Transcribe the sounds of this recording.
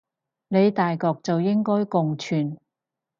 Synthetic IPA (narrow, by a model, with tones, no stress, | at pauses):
ne˨˧jt̪aː˨jkɔː˧k̚t͡sɐ˨wjɪ˥ŋkɔː˥jkʊ˨ŋt͡ʃʰyː˨˩n